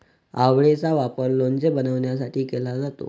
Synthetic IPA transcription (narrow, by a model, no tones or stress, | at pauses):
aʋɭet͡saʋapəɾlond͡zebənəʋɳjasaʈʰiːkelad͡zat̪o̰